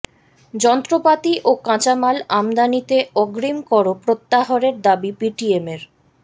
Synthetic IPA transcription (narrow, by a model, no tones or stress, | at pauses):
d͡ʑɔnt̪ɾopat̪iʔokãt͡ɕamalamd̪anit̪eɔɡɾimkɔɾopɾot̪ːaɦoɾeɾd̪abipiʈiemeɾ